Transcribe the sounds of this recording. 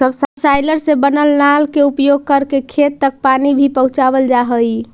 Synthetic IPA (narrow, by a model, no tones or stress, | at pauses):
səbsəbsajləɾsẽbənəlnalkeupjoɡ̚kəɾkekʰet̪ːək̚panibʱipəɦũt͡ʃabəld͡ʒaɦə